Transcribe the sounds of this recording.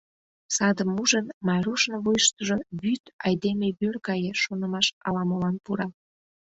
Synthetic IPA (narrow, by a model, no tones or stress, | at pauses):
sɑd̪əmːuʒənmɑɾuʃnoβujəʃt̪əʒoβyt̪ɑjd̪emeβyrkɑjeʃonə̆mɑʃɑlɑmolɑnpuɾɑ